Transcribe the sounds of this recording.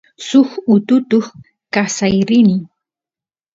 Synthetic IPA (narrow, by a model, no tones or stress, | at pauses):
sʊxʊt̪ʊt̪ʊχ | kasajɾɪnɪ